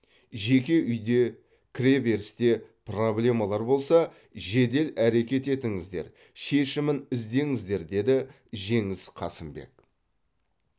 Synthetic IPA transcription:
ʒe̞kʲe̞ʔʏjd̪e̞ | kʲʰɾe̞ve̞ɾst̪e̞pro̞blʲe̞mɑlˠɑɾbo̞lˠsɑ | ʒe̞d̪e̞læɾe̞kʲe̞t̪e̞t̪ɪŋɪzd̪e̞̰ɾ | ʃe̞ʃɪmɪnɪzd̪e̞ŋɪzd̪e̞ɾd̪e̞d̪ɪ | ʒe̞ŋɪz̥qʰɑ̰sɪmbe̞̰k

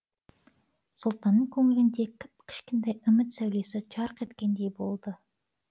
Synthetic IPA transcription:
sʊlˠt̪ɑnːəɴkʲʰɵŋɪlɪnd̪e̞kʲʰɪpkʲʰɪ̥ʃkʲent̪ejʏmɪt̪sæwle̞sɪʒɑɾəqe̞t̪kʲe̞nd̪e̞jbo̞lˠd̪ə

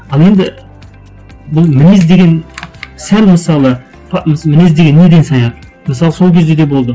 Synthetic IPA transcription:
ɑlˠe̞nd̪ɪ | bʊlˠmɪnezd̪e̞ɡʲe̞nsælməsɑlˠə | pʰɑmmɪnezd̪eɡʲe̞nːed̪ensɑjɑq | məsɑlˠəso̞lˠkʲʰe̞zd̪e̞d̪ebo̞lˠd̪ə

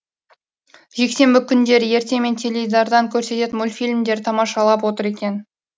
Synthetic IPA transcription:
ʒ̥e̞kse̞mbɪkʲʰʏnd̪e̞ɾɪje̞ɾt̪e̞me̞nt̪ʰelʲejzd̪ɑɾd̪ɑŋkʲʰɵɾse̞t̪e̞t̪mʊlʲfilʲmd̪e̞ɾt̪ʰɑmɑʃɑlˠɑp̬wo̞t̪əɾe̞kʲe̞n

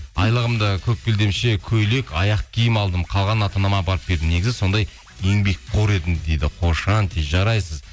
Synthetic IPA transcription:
ɑjlˠəʁəmd̪əkʲʰɵp̚bʲeld̪e̞mʃe̞kʲʰɵjle̞kʲʰɑjɑq̚kʲʰijɪmɑlˠd̪əmqʰɑlˠʁɑnɑt̪ɑnɑmɑbɑɾəp̚be̞ɾd̪ɪmne̞ɡʲɪzɪso̞nd̪ɑj | eŋbe̞k̚ʲqʰoɾe̞d̪ɪmd̪e̞jd̪ɪqʰo̞ʃɑnt̪ʰeʒɑɾɑjsəz

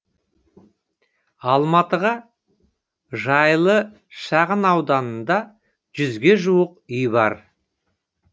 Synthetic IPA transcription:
ɑlˠmɑt̪əʁɑ | ʒɑjlˠə | ʃɑʁənɑwd̪ɑnənd̪ɑ | ʒ̥ʏzɡʲe̞ʒuwəqʏjbɑ̰ɾ

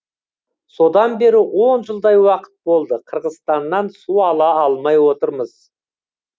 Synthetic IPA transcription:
so̞d̪ɑnbe̞ɾɪwo̞nʒəlˠd̪ɑjwɑqə̥t̪̚bo̞lˠd̪əqʰəɾʁəzst̪ɑnːɑnsuɑlˠɑːlˠmɑjwo̞t̪əɾməz̥

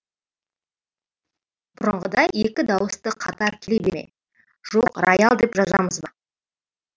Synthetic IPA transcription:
bʊɾəɴʁəd̪ɑjekʲɪd̪ɑwəst̪əqʰɑt̪ɑɾkʲʰelebemḛ | ʒ̥o̞qrojalˠd̪e̞pʒɑzɑməzbɑ

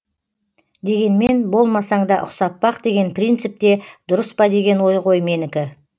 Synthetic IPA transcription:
d̪e̞ɡʲe̞nme̞nbo̞lˠmɑsɑɴd̪ɑʔʊ̰qsɑp̪̚pːɑqd̪e̞ɡʲe̞npʰrijnt̪sɪp̚t̪e̞d̪ʊɾəspɑd̪e̞ɡʲe̞nwo̞jʁo̞jme̞nɪkʲɪ

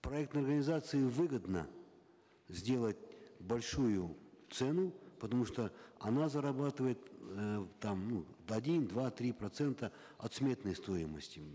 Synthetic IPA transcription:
pɾɐɛk̚t̪ɐrɡənʲɪzat̪sɨɪvɨɡəd̪nə̰ | zʲdʲe̞lˠətʲbɐlʲʂujʊt̪sɛnʊpət̪ɐmuʂt̪oɐnazəɾɐbat̪ɨvəjɪt̪ | t̪amnuɐdʲind̪vat̪ɾʲipɾɐt̪sɛnt̪ə | ɐ̰t̪smʲe̞t̪nəjst̪o̞jɪmə̰sʲtʲɪ

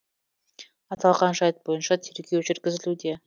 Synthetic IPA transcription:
ɑt̪ɑlˠʁɑnʃɑjt̪̚bo̞jənʃɑt̪ʰe̞ɾɡʲe̞wʒʏɾkʲɪzɪlud̪e̞

